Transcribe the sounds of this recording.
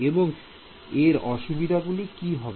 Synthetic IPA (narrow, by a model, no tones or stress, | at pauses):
eboŋ | eɾɔʃubid̪ʱaɡulikiɦɔbe